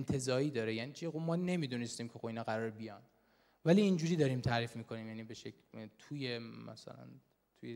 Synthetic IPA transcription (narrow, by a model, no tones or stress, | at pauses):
ent̪ʰe̞zɒːɾiːd̪ɒːɾejæniːt͡ʃʰixomɒːne̞mid̪unest̪iːmcʰeobiːnɒːɣæɾɒːɾebijɒn | væliːnd͡ʒuːɾiːd̪ɒːɾiːmt̪ʰæːɾiːfmiːkʰo̞niːmjæːniːbe̞ʃeklt̪ʰujemæ̰sæ̰læ̰n | t̪ʰuje